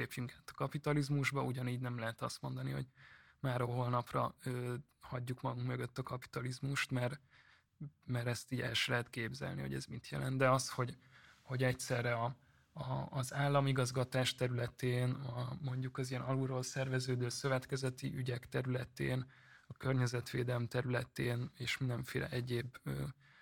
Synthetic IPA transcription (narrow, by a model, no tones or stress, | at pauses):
eːpjyŋkaːt̪ɒ̥kɒpit̪ɒlizmuʒbɒuɟɒniːɟnɛmlɛɦɛt̪ɒst̪mo̞nd̪ɒniho̰ɟmaːɾoɦolnɒprɒ̰øː | hɒɟːukmɒɡuŋkmø̞ɡø̞t̪ːɒkɒpi̥t̪ɒlizmuʃt̪mɛr | mɛɾɛst̪iːɟɛ̰lʃɛlɛɦɛt̪keːbzɛ̰lnḭho̰ɛ̰zmit̪ʰjɛ̰lɛnd̪d̪ɛɒsho̞ɟho̞ɟɛct̪sɛrːɛɒ | ɒːzaːlːɒmiɡɒzɡɒt̪aːʃt̪ɛɾylɛt̪eːnɒmo̞ɲɟukɒzijɛnɒluɾoːlsɛrvɛzøːd̪øːsø̞vɛt̪kɛzɛt̪ḭʔyɟɛkt̪ɛɾylɛt̪ḛːn | ɒkørɲɛzɛt̪ʋeːd̪ɛlmt̪ɛɾylɛt̪eːneːʃmind̪ɛɱfḛːlʔɛ̰ʔɛɟeːbøː